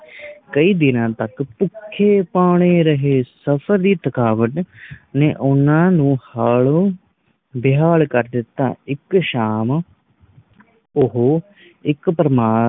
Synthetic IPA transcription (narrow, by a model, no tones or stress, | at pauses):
kəiːd̪ɪnãːt̪əkpʊkʰːeːpaːɽ̃eːɾəɦeːsəpʰəɾd̪iːt̪əkaːʋəʈnḛːʔʊnãːnũːhaːloː | bɪɦaːɭkəɾd̪ɪt̪ːa̰ːɪkʃaːm | ʊɦoː | ɪkpɾəmaː